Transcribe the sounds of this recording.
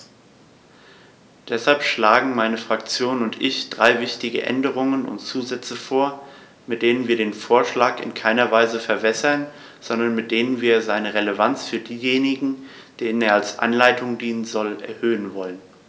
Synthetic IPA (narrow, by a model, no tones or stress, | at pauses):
d̥ɛshalpʃlaːɡŋ̩maɪnəfʁ̥akt͡sjoːnʊntʔɪçd̥ʁaɪvɪçtɪɡə̰ʔɛ̰ndəʁʊŋənʊ̰ntt͡suːzɛt͡səfoːɐ | mɪt̚d̥eːnənviːɐɾeːnfoːɐʃlaːkɪ̰nkʰaɪnɐvaɪzəfɛɐvɛsɐn | z̥ɔndɐnmɪt̚d̥eːnənviːɐzaɪnəʁeləvant͡sfyːɐdiːjeːnɪɡŋ̩ | d̥eːnəneːɐalsʔa̰nlaɪtʰʊŋdiːnənzɔlʔɛɐhøːənvɔlən